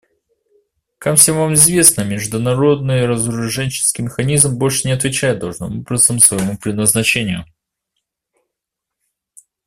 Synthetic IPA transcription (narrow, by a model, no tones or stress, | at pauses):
kafsʲemvamɪzvʲe̞snəmʲɪʐd̪ʊnɐɾo̞d̪̚nɨjəɾəzʊɾɐʐɛnʲt͡ɕɪ̥skʲɪjmʲɪxɐnʲizmbo̞lʲʂɨnʲɪɐt̪vʲɪt͡ɕæjɪt̪̚d̪ɐʐnəmopɾəst̪ɨmsvəjɪmupɾʲɪd̪nəznɐt͡ɕenʲɪjʊ̰